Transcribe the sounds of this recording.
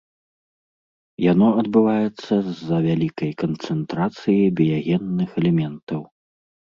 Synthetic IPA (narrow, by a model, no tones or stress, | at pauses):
janɔɐd̪bɨvajɛt̪sːɐzɐvʲalʲikɐjkɐnt̪sɛnt̪ɾat̪sɨjibʲijaɣʲɛnːɨxɛlʲɛmʲɛnt̪ɐw